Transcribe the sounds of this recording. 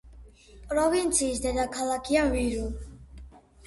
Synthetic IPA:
pʼɾɔvint͡sʰiːsd̪ɛd̪akʰalakʰianviɾu

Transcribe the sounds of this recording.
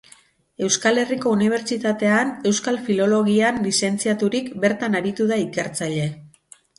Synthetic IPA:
e̞wskale̞riko̞uniβ̞e̞ɾt͡ʃit̪at̪e̞ane̞wskalfilo̞lo̞ɣianlise̞nt͡siat̪uɾikbe̞ɾt̪anaɾit̪uðaike̞ɾt͡saʎe̞

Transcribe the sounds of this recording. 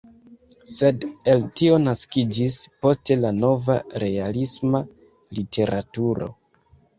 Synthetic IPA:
se̞de̞ltio̞naskid͡ʒispo̞ste̞lano̞vaɾe̞alisma | litʰe̞ɾʔatuɾo̞̰

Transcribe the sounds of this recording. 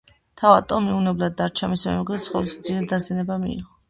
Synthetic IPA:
t̪ʰavat̪ʼɔmiunɛblad̪ːaɾt͡ʃʰamismɛ̰mɛɡɛt̪sʰχɔ̰lˠsmd̪zʰiɾɛd̪azɛnɛbamḭḭʁɔ

